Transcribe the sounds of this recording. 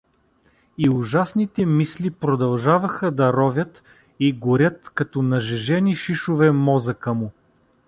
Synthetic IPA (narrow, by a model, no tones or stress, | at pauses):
iʊʒasnit̪ɛmislipɾod̪ɐlˠʒavɐxəd̪ɐɾɔvʲjət̪ | iɡʊɾʲət̪kɐt̪ɔnɐʒɛʒɛniʃiʃovɛmɔzɐkəmʊ